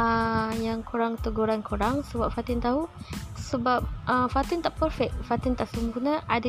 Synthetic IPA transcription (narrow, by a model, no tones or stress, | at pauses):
əjaŋkʰuɾaŋt̪əɡuɾankʰuɾaŋsəbap̚fat̪ɪnt̪aɦusəbap̚əfat̪ɪnt̪aʔpəɾfɛk̚fat̪ɪnt̪aʔsəmpunə̃ʔadə